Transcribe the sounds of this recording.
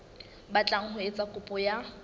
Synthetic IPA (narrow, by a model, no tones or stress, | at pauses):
bat͡ɬʼaŋ̩hʊet͡sʼakʼʊpʼɔja